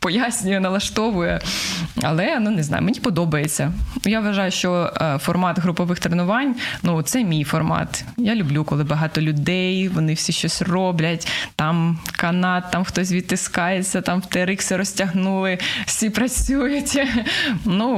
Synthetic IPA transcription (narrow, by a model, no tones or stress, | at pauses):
pɔjasʲnʲʊjɛnɐlˠɐʃt̪ɔʋʊjɛɐ̰lˠɛnuneznɑ̰jʊ̰menʲipɔd̪ɔbɐjet͡sʲːɐʊjaʋʋɐʒɑjʊʃt͡ʃɔfɔrmɑt̪ɦɾʊpɔʋɪxt̪ɾenʊʋɑnʲnut̪sɛmʲijfɔrmɑ̰t̪jalʲʊblʲukɔlˠɪbɐɦɑt̪ɔlʲʊd̪ɛjʋɔnɪwsʲiʃt͡ʃɔsʲrɔblʲɐtʲt̪ɑmkɐnɑt̪ːɑmxt̪ɔs̬ʲʋʲid̪̚t̪ːɪskɑjet͡sʲːɐt̪ɑmwt̪ɛɾɪksɪɾɔsʲtʲɐɦnulˠɪwsʲipɾɐt͡sʲujʊtʲ | nu